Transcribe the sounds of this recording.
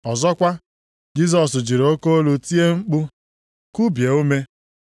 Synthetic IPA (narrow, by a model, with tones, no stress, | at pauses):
ɔ˨zɔ˦kʷa˦ | d͡ʒi˦z̬ɔ˨sd͡ʒi˨ɾo˦ko˦o˦lu˨ti˦e˦ŋ͡m̩˦k͡pʊ˦ | ku˦bje˨u˦me˦